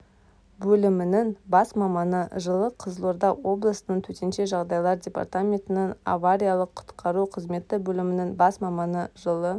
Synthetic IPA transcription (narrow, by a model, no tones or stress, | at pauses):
bɵlɪmɪnɪŋbɑsmɑmɑnəʒəlˠəqʰəzəlˠoɾd̪ɑwo̞blˠəsənəɴt̪ʰɵt̪e̞nʃeʒɑʁd̪ɑjlˠɑɾdʲe̞pa̰rt̪amʲe̞nt̪ɪnɪŋa̰vaɾʲijalˠəqʰːʊ̥t̪qʰɑɾuqʰəzme̞t̪ːɪbɵlɪmɪnɪŋbɑsmɑmɑnəʒəlˠə